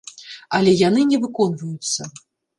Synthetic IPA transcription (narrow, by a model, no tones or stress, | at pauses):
ɐlʲɛjanɨnʲɛvɨkɔnvɐjut̪sːɐ